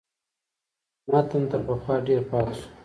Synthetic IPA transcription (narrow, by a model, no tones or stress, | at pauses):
mat̪ant̪əɾpəxwɑɖeɾpɑt̪ʃu̥